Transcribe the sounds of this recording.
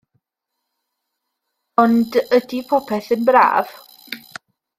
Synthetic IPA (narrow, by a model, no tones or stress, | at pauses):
ɔndədipʰɔpʰɛθənbra̰ːv̥